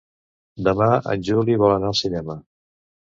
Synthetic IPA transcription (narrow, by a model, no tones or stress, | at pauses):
d̪əmaə̰nʲʒuliβɔlənaəlˠsinɛmə